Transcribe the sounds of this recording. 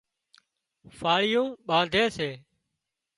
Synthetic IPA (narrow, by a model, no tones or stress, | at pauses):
faːɭɪjõːɓãːnd̪ʱeːseː